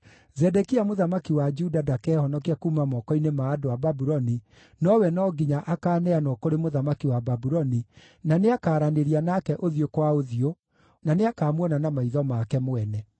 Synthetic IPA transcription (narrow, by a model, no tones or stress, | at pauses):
zɛdɛkiamoðamakiwad͡ʒudadakɛhɔnɔkiakumamɔkɔinemaːdoababuɾɔni | nɔwɛnɔɡiɲaʔakaːnɛanɔkoɾemoðamakiwababuɾɔni | naneakaːɾaneɾianakɛʔoðiokwaoðio | naneakaːmwɔnanamaiðɔmakɛmowɛnɛ